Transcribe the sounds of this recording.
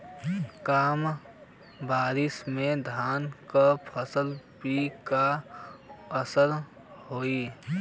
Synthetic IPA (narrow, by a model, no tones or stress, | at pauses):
kaːm | baːɾɪsmẽd̪ʱaːnkəpʰəsəlpika | əsəɾ | hoːiː